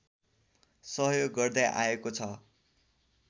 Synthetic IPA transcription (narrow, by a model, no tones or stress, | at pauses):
sʌɦjoɡːʌrd̪aʔa̰ekot͡sʰʌ